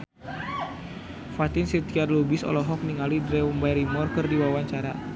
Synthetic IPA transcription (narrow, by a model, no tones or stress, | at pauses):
fat̪insit̪iarlubisɔ̰lɔɦɔk̚niŋalidɾɛɔmbajɾimɔrkɨrdiwawaɲt͡ʃaɾa